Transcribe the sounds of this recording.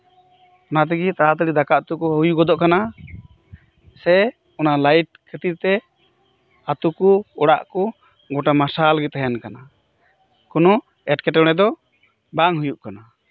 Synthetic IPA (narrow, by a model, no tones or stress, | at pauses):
ɔnat̪̬ɛɡit̪aɦat̪̬əɽid̪akaʔt̪ukɔɦujuɡɔd̪ɔʔkana | sɛ | ɔnalajʈ̚kʰet̪it̪ɛ | at̪ukuɔɽa̰ʔkɔ | ɡɔʈamasalɡɛt̪ɦajɛnkana | kɔnɔ | ɛʈkɛʈɔɽ̃ɛd̪ɔ | baŋɦujuʔkana